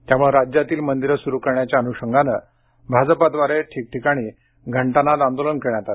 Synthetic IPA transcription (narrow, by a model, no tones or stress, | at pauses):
t̪jamuɭeɾad͡ʑjat̪iːlmənd̪iɾəsuɾukəɾɳjat͡ɕjaənuɕəŋɡʱanə | bʱad͡zəpad̪ʋaɾeʈʰiːk̚ʈʰikaɽ̃iː | ɡʱəɳʈanat̪and̪olənkəɾɳjat̪at̪